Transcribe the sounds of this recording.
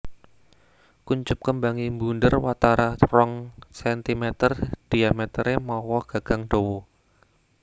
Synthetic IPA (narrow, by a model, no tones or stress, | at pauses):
kuɲt͡ʃʊp̚kəmbaŋimbundərwat̪aɾʔarɔŋsɛnt̪imɛt̪ərd̥iamɛt̪əɾemɔwɔɡ̥a̤ɡ̥a̤ŋɖ̥owɔ